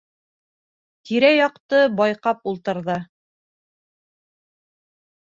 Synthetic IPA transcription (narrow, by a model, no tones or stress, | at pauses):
t̪iɾæjɑqt̪ɤbɑjqɑpulˠt̪ɤ̆ɾðɤ